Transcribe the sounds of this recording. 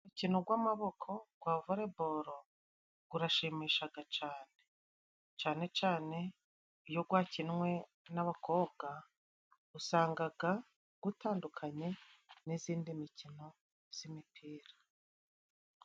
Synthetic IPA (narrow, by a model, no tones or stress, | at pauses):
mucinoɡwaːmaβo̞kʰo̞ɡ̥waːvoɾe̞bo̞ɾo̞ | ɡ̥uɾaʃiːmiːʃaɡat͡ʃaːne̞ | t͡ʃaːne̞t͡ʃaːne̞ | ijo̞ɡwaːcinŋwe̞ | naβako̞ːbɡa | ɡusaːŋɡaɡa | ɡ̥utaːndukʰaɲe̞niziːndimicino̞ | z̥imipʰiːɾḁ